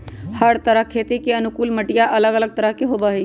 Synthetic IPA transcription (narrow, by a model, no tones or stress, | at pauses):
həɽt̪əɾəɦkʰet̪ikeənʊkuːlməʈijaʔələɡələɡ̚t̪əɾəɦkeɦobəɦi